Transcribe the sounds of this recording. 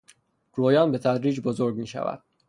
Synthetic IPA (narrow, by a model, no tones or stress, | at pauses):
ɡ̥ɾoːjɒːnbe̞t̪ʰæd̪ɾiːd͡ʒbozoɾɟmiːʃæ̰væ̰d̪̥̚